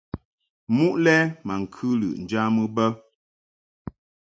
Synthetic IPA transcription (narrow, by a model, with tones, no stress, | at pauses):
mu˦ʔlɛ˦ma˨ŋ̩˨kʰʉ˦lɨ̰˨ʔn̩˨d͡ʒa˦mɨ˦bə˦